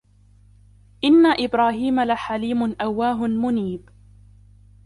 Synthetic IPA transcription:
ʔɪnːaʔɪbɾaːhiːmalaħaliːmʊnʔawːaːɦʊnmʊniːb

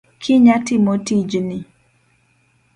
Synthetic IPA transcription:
kʰɪɲatɪmotid͡ʒni

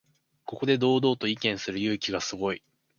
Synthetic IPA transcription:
ko̞ko̞d̪e̞d̪o̞ːd̪o̞ːt̪o̞ikẽ̞ɰ̃sɨɾɯ̟jɯ̟ːkʲiɡasɨɡo̞i

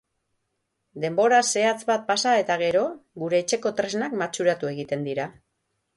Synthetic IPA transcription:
d̪e̞mbo̞ɾase̞at͡sbat̪̚pasae̞t̪aɣ̞e̞ɾo̞ɣuɾe̞ːt͡ʃe̞ko̞t̪ɾe̞znakmat͡ʃuɾat̪ue̞ɣit̪e̞nd̪iɾa

